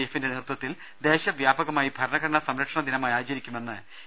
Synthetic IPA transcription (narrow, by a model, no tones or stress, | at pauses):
ejfindenirt̪wɐt̪ːil | d̪e̞ːɕɐʋjaːbɐɣɐmaːjibʱɐɾɐɳɐɣɐɾɐɳɐsɐmɾɐkʂɐɳɐd̪inɐmaːjaːt͡ɕɐɾikʲːume̞nːɨ